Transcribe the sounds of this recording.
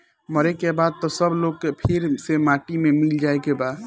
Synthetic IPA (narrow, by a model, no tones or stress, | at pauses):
məɾekebaːd̪̚t̪ɔsəbloːɡ̚kepʰɪɾsemaːʈimẽmɪld͡ʒaːekebaːd